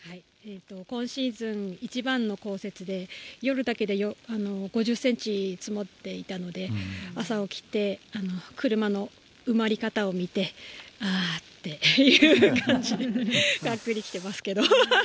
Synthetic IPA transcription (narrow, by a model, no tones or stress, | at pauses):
hai | et̪ːo̞kõ̞ɰ̃ɕĩnzɨ̃ŋit͡ɕibãnːo̞ko̞ːse̞t͡sɨd̪e̞jo̞ɾɯ̟d̪ake̞d̪e̞joano̞ɡo̞ʑɨsːẽ̞ɲt͡ɕit͡sɨmo̞t̪ːe̞it̪ano̞d̪e̞asao̞kʲi̥t̪e̞ano̞kʰɯ̟ɾɯ̟mano̞ | ɯ̟maɾʲikat̪ao̞mʲit̪e̞aːt̪ːe̞jɯːkãɲd͡ʑid̪eɡakːɯ̟ɾʲikʲi̥t̪e̞masɨ̥ke̞d̪o̞